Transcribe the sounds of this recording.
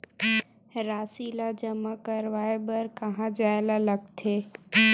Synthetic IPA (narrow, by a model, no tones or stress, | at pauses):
ɾaːsilad͡ʒəmakəɾʋaːebəɾkɐɦãd͡ʒaːjlaləɡt̪ʰeː